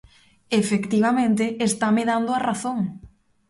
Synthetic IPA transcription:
efekt̪iβamẽnt̪̬ɪːst̪ameðand̪ʊaraθoŋ

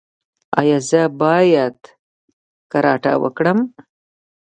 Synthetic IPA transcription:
ɑjɑːzəbɑːjad̪ | kaɾɑːʈa̰wə̰kɽəm

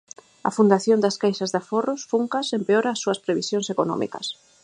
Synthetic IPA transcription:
ɐ̰fund̪aθjond̪ɐskajsɐzðaforʊsfuŋkɐsempeoɾaːsːuɐspɾeβisjõnsekonɔ̰mḭkɐ̰s

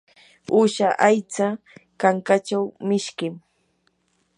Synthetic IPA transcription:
ʊʃaʔajt͡sa | kaŋkat͡ʃawmɪʃkɪm

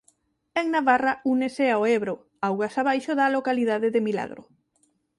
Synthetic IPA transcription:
eŋnaβarauneseaoeβɾo | awɣasaβajʃoðɐalokaliðaðeðɪmila̰ɣɾʊ̰

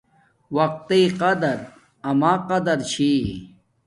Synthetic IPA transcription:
wɐq̚t̪iqɐd̪ɐɾ | ɐmaːqɐd̪ɐɾt͡ɕʰi

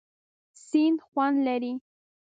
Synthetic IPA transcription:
sinxwanleɾi

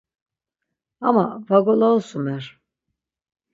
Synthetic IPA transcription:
amavaɡolˠaolˠsumɛɾ̥

